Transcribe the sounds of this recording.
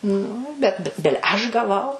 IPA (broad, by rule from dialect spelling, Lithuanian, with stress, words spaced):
nʊ bʲɛt bʲɪ ˈbʲɪlʲɛ ˈɐʃ ɡɐˈʋɐʊ